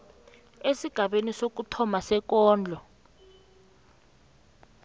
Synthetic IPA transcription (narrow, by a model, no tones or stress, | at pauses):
esiɡ̥ʱaɓenisok̬utʰɔmasɛk̬ɔːnd͡ɮʱɔ